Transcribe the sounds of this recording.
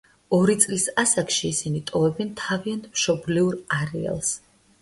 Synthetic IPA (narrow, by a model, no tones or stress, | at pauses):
ɔɾit̪sʼlisasakʰʃiːsinit̪ʼɔvɛbɛnt̪ʰaviant̪ʰmʃɔbliuɾaɾɛ̰a̰lˠs